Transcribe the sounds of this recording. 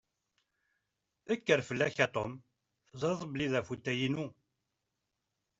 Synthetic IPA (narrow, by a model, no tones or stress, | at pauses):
əkːəɾfəlːæçæt̪ˤom | θzɑɾðˤbəliðæfut̪ːæjinu